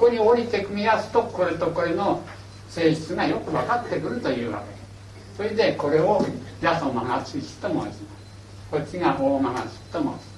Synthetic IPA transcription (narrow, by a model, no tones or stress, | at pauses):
koɲ̟ioɾʲit̪e̞kɯ̟mʲiasɨ̥t̪o̞ko̞ɾet̪o̞ko̞ɾeno̞ | se̞ːʑit͡sɨŋajo̞kɯ̟βakat̪ːe̞kɯ̟ɾɯ̟t̪ojɯ̟ːβa̰ke̞ | soɾed̪e̞ko̞ɾe̞oɾʲasomaŋat͡sɨɕi̥t̪emosinas | kot͡ɕiŋahoːmaŋaɕi̥t̪emos